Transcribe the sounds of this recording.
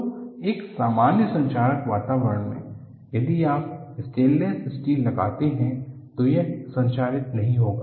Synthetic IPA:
eːksaːmaːnjəsɐ̃ɲt͡ʃaːɾəkʋaːt̪aːʋəɾəɳmḛ̃ | jɐd̪iaːpɪsʈeːlːẽsɪsʈiːlːɐɡa̰ːt̪eɦɛ̃t̪ojesɐ̃ɲt͡ʃaːɾɪt̪nɐɦĩɦoːɡaː

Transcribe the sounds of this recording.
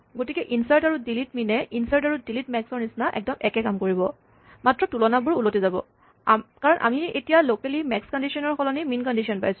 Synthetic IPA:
ɡotikɛʔinsajtaɹudilitminɛʔinsajtaɹudilitmɛksɔɹnisnaʔɛ̰k̚dɔmɛkɛkamkoɹibɔ | matɹɔtulɔnabʊɹulotizabɔ̰ | kaɹɔnʔa̰miḛtijalokɛlimɛkskɔndisiɔnɔɹxɔlɔniminkɔndisiɔnpa̰jsʊ̥̃

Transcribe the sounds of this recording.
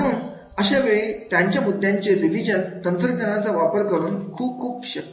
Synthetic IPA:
ɾuːn | əɕaʋeɭiːt̪jaɲt͡ɕjamud̪ʱːjaɲt͡ɕeɾiʋid͡ʑənt̪ənt̪əɾd͡ʑənat͡saʋapəɾkəɾuːnkʰuːp̚kʰuːpɕə

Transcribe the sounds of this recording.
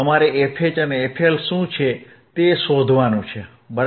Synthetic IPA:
əmaɾeepʰet͡ʃəneepʰelʃũt͡ʃʰe | t̪eʃod̪ʱʋanũt͡ʃʰe | bəɾ

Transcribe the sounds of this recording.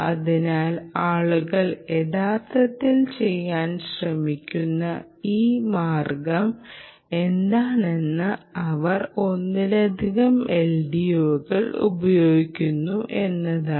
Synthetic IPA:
ɐðinaːlaːɭuɣɐɭe̞ðaːt̪ːɐt̪ːilt͡ɕe̞jːaːnɕrɐmikʲːunːɐ | iːmaːrɡɐm | e̞nd̪aːɳe̞nːɨɐʋɐro̞nːilɐd̪ʱiɣɐmeɭɖijoːɣɐɭṵbɐjo̞ːɡikʲːunːuʔe̞nːɐðaː

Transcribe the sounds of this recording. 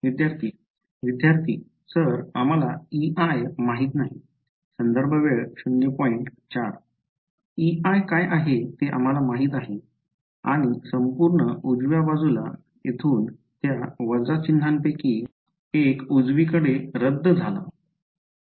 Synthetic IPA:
ʋid̪jaɾt̪ʰiː | ʋid̪jaɾt̪ʰiː | səɾam̤alaiʔajmaɦiːt̪naɦi | sənd̪əɾbʱəʋeɭɕunjəpɔiɳʈt͡ɕaɾ | iajkajʔaɦet̪eʔa̰m̤alamaɦiːt̪aɦe | a̰ɽ̃isəmpuɾɳəud͡zʋjabad͡zula̰ | et̪ʰuːnt̪jaʋəd͡zat͡ɕinːʱampeki | ekud͡zʋikəɽeɾəd̪ʱːd͡zʱala̰

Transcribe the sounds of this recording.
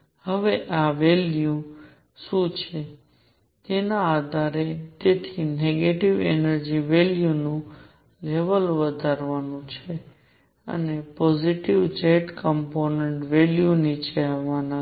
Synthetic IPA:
həʋeʔaʋelju | ʃũt͡ʃʰe | t̪enaad̪ʱaɾet̪et̪ʰineɡeʈiʋḛnəɾd͡ʒiʋeljunũ | leʋəlʋəd̪ʱaɾʋanũt͡ʃʰe | ə̰nepɔziʈiʋt͡ʃeʈkəmponeɳʈʋeljunit͡ʃʰeɦəʋana

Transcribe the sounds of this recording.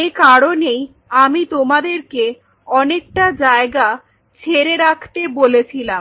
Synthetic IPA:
ekaɾonej | amit̪omad̪eɾke | ɔnek̚ʈad͡ʑaeɡa | t͡ɕʰeɾeɾakʰt̪ebolet͡ɕʰilam

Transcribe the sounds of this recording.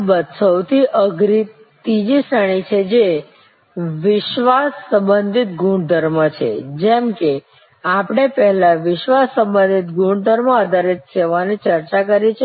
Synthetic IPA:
bət̪səwt̪ʰiʔəɡɾi | t̪id͡ʒisəɽ̃it͡ʃʰed͡ʒe | ʋɪʃʋasːə̃mbənd̪ʱit̪̚ɡũɳɖd̪ʱəɾmət͡ʃʰḛd͡ʒɛmke | apɽ̃epɛɦɛlaʋɪʃʋasːəmbə̃nd̪ʱit̪ɡuɳd̪ʱəɾməəd̪ʱaɾet̪seʋanit͡ʃəɾt͡ʃakəɾit͡ʃʰe

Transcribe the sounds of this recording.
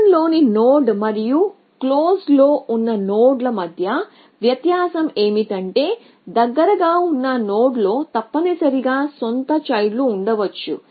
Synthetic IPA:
nlo̞ːninoːɖmɐɾiju | kloːslo̞ːunːɐnoːɖlɐmɐd̪ʱjɐ | ʋjɐt̪jaːsɐme̞ːmiʈɐɳʈe̞ː | d̪ɐɡːɐɾɐɡaːunːɐnoːɖlo̞ːt̪ɐpːɐnisɐɾiɡaːsont̪ɐt͡ʃɐjluːɳɖɐʋɐt͡ʃːṵ

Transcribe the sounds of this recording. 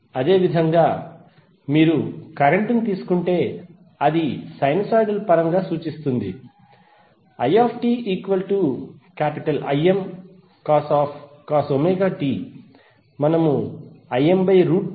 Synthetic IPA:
ɐd̪e̞ːʋid̪ʱɐŋɡaː | miːɾukɐɾeɳʈint̪iːsu̥kuɳʈe̞ː | ɐd̪isɐjnisaːjɖɐlpɐɾɐŋɡaːsuːt͡ʃist̪und̪i | ɐjaːpʰʈiːiːkʋɐlʈukaːpiʈɐlɐ̰jem | kaːsaːpʰkaːsomeːɡaːʈiː | mɐnɐmuɐjembɐjɾuːʈ̚

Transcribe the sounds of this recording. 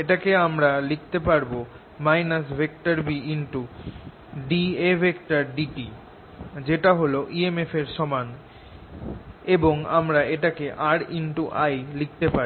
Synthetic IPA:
eʈakeamɾalik̚ʰt̪epaɾbo | majnasbʱek̚ʈaɾbiiɳʈu | ɖiebʱekʈaɾɖiʈi | d͡ʑeʈaɦoloʔiemefeɾʃɔman | eboŋamɾaeʈakeʔaɾiɳʈuʔajlik̚t̪epa

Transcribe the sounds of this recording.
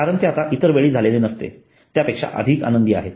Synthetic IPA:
aɾənt̪eat̪aʔit̪əɾʋeɭiːd͡zʱalelenəst̪ḛ | t̪japekʂa̰ʔə̰d̪ʱiːka̰nənd̪iːa̰ɦet̪

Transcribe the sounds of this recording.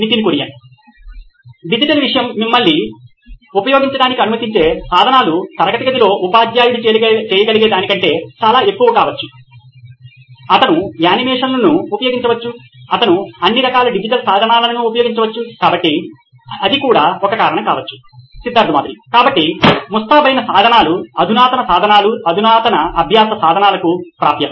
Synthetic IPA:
nit̪inikuɾija̰ːi | ɖid͡ʒiʈɐlʋiʂɐjɐmːimːɐlːi | upɐjo̞ːɡiɲt͡ʃɐɽaːnikiɐnumɐt̪iɲt͡ʃe̞ːsaːd̪ʱɐnaːlut̪ɐɾɐɡɐt̪ɐɡɐd̪ilo̞ːʔupaːd̪jaːjuɽut͡ʃɛːjɐɡɐɭiɡeːd̪aːnikɐɳʈe̞ːt͡ʃaːlaːe̞kːuʋɐkaːʋɐt͡ʃːu̥ | ɐt̪ɐnuaːnimɛːʂɐnlɐnuːpɐjoːɡiɲt͡ʃɐʋɐt͡ʃːu | ɐt̪ɐnuɐnːiɾɐkaːlɐɖid͡ʒiʈɐlsaːd̪ʱɐnaːlɐnɐnuːpɐjo̞ːɡiɲt͡ʃɐʋɐt͡ʃːukaːbɐʈːi | ɐd̪ikuːɽaːɔkɐkaːɾɐɳɐkaːʋɐt͡ʃːu̥ | sid̪ʱːaːɾd̪ɐmaːt̪ɾḭkaːbɐʈːimust̪ʰaːbʱɐjnɐsaːd̪ʱɐnaːluɐd̪ʱunaːt̪ɐnɐsaːd̪ʱɐnaːluɐd̪ʱunaːt̪ɐnɐɐbʱjaːsɐsaːd̪ʱɐnaːlɐkupɾa̰ːp̪jɐɐ

